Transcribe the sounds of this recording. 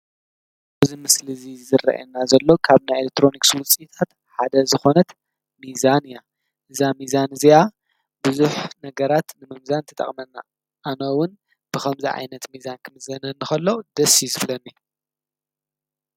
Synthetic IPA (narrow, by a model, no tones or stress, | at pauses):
bɐzimɨslizizɨrɐ̰ʔḛnːazɐlːo̞kʰaβnajelek̚t̪ʰɾo̞nikswʊt͡sʼit̪ʰat̪ | ħad̪ɐzɨxo̞nɐt̪ | mizanja | ʔɨzamizanɨzia | buzuħnɐɡɐɾat̪nɨmɨmzant̪ʰɐt̪ʼɐ̰χʼmɐnːa̰ | ʔːnowʊn | b̥ɨxɐmziʕa̰jnɐt̪mizankʰɨmɨzɐnɐnːɨxɐlːo̞d̪ɐsizɨflɐnːi